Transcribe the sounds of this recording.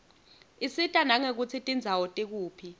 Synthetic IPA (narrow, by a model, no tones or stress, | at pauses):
isitʼanaŋek̬ut͡sʰitʼind͡zʱawɔtʼik̬uːpʰi